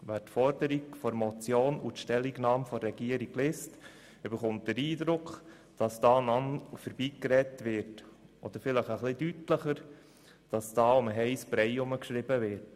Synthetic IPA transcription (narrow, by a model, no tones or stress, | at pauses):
ʋæːtfɔɾdəɾikfɔɾmɔt͡sjoːnutʃtɛlːiɡnɑːmfɔɾɾɛɡ̥iəɾiɡlɪːst | ʏbəɾχʊmt̚dəɾiːdɾʊkχ | d̥ɑsd̥ɑːnɑnfəɾbiːkɾɛtʋɪɾtɔd̥̪əɾfɪləχəχlɪdytləχəɾ | d̥ɑsd̥ɑːʊməɦɛɪsbɾɛjʊməkʃɾɪbəvɪɾt